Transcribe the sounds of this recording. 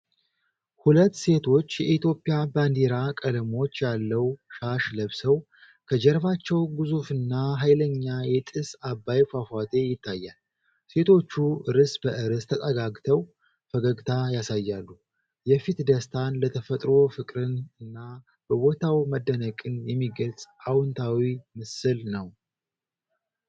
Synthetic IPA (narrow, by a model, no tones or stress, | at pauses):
hulət̪ːse̞t̪ʰo̞t͡ʃːjɛʔit̪ʰjo̞pʼːijaband̪eɾakʼələmo̞t͡ʃːjalːəwʃaʃləβsəw | kʰəd͡ʒɛɾbat͡ʃːɛwɡɨzufɨnːaɦajləɲːajɛt̪ʼɨsabːajfafat̪ʰe̞jɪt̪ʰːajːal | se̞t̪ʰo̞t͡ʃːuɨɾɨsbəʔɨɾɨst̪ʰət̪ʼəɡaɡt̪ʰəw | fəɡəɡt̪ʰajasajːalːu | jɛfit̪d̪əst̪ʰanlət̪ʰəfət̪ʼɾo̞fɨkʼɾɨnɨnːa | b̥əwot̪ʰawməd̪ːənəkʼɨnjɛmːiɡəlt͡sʼawɨnt̪ʰawimɨsɨlnəw